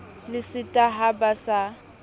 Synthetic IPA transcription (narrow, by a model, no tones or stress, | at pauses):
lɪsɪtʼaɦabasa